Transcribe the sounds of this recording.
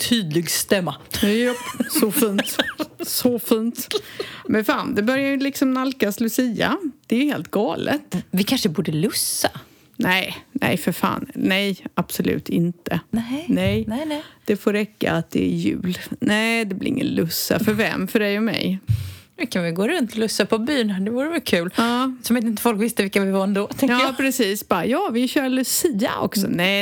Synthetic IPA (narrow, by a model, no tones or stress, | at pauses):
t̪ʰyːd̪lɪɡst̪ɛmːa | sɔfiːnt̪sɔfiːnt̪mɛnfaːnd̪ɛbœɾjajɵlɪksɔmnalkaslɵsɪːa̰d̪̥ɛæjɵheːlt̪ɡɑːlʔə̰t̪vɪkʰanʂəbuːɖəlɵsːa | nɛɪnɛ̰jfœɾfa̰ːnːɛjab̥sɔlʉ̟̰ːt̪ʰɪnt̪ənɛjd̪̥ɛfoːɾɛkːa̰at̪̚d̪ɛːɾjʉ̟̰ːlnɛɪd̪ɛblɪ̰ɾɪ̰ŋːə̰nlɵsːa̰fœɾvɛmfœɖɛjɔmɛ̰jnʉkʰanvɪɡoːɾɵnt̪ʰɔlɵsːapʰɔbyːnad̪ɛvuːɾəvɛlkʰʉːlɑːsɔmɪt̪ɪnt̪əfɔlkvɪst̪əvɪlkavɪvaɛnd̪oːt̪ʰɛŋɑpʰɾɛsiːsbɑjɑːvɪɕœːɾlʉsiːa̰ʔɔ̰ksɔnɛ